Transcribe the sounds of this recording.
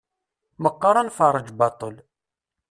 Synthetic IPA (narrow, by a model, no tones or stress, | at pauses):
məqːɑɾˤɑnfɑrˤəd͡ʒbɑt̪ˤəl